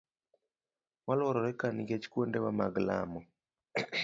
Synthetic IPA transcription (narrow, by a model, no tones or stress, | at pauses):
walɔɾɔɾɛkaniɡet͡ʃi̥kwondɛwama̰ɡla̰mɔ